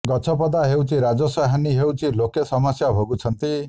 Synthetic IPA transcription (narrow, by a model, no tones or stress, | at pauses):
ɡʌt͡ʃʰɔpɔd̪aɦewt͡sʰiɾad͡zɔsaɦaniɦewt͡sʰilokesʌmasjabʱoɡut͡sʰʌnt̪i